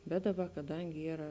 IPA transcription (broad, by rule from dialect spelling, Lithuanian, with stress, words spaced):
bʲɛt ˈdɑːˌbɐ kɐˈdɐŋʲɡʲɪ ˈiːrɐ